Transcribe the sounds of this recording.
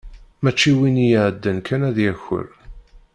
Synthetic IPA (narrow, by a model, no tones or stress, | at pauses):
mæt͡ʃːiwinijəʕəd̪ːənkænæðjæçːə̰ɾ